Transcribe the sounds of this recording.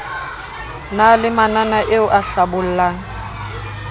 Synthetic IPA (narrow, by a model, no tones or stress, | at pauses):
nalɪmananaʔeʊʔaɬabʊl̩laːŋ̩